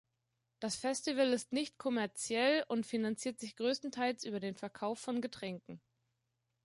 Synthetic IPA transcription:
d̥asfɛstivəlɪstnɪçtkʰɔmɛɐt͡sjɛlʊntfinant͡siːɐtz̥ɪçɡ̥ʁøːstn̩tʰaɪlsʔyːbɐdeːnfɛɐkʰaʊfːɔnɡətʁ̥ɛŋkŋ̩

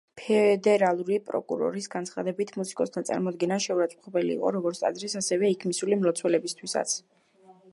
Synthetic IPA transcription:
pʰɛd̪ɛɾalˠuɾipʼɾɔ̰kʼṵɾɔ̰ɾisɡant̪sʰχad̪ɛbit̪ʰmusi̥kʼɔst̪ʰant̪sʼa̰ɾmɔd̪ɡɛnaʃɛuɾat̪sʼu̥χɛbɛlḭːqʼɔ̰ɾɔɡɔɾt̪sʼa̰dzɾisasɛvɛikʰmisulimɾɔt̪sʰwɛlɛbist̪ʰwisa̰t̪sʰ

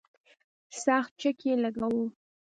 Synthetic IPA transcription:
sɑxt̪̚t͡ʃəkjelaɡawo

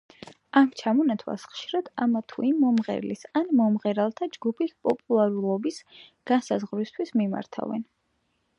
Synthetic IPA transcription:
amt͡ʃʰamɔnat̪ʰwa̰sχʃiɾad̪̥amat̪ʰuimːɔmʁɛ̰ɾlisanmɔmʁɛɾalˠt̪ʰad͡ʒɡupʰispʼɔpʼulˠaɾulˠɔbisɡ̥ansazʁɾist̪ʰwismima̰ɾt̪ʰa̰vɛ̰n

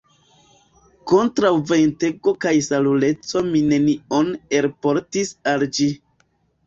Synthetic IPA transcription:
ko̞ntɾawve̞jnte̞ɡo̞kajsalule̞t͡so̞mine̞nione̞ɾpo̞ɾtisald͡ʒi

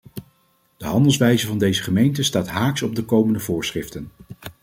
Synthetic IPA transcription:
d̥əɦɑndəlˠsʋɛjzəvɑndejzəχəmejntəstaːtɦaːksɔb̚dəkowməndəvʊːɹsχrɪftən

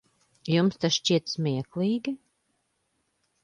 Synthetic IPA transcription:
jumst̪asʃt͡ʃiɛt̪smʲiɛklˠiːɡʲi

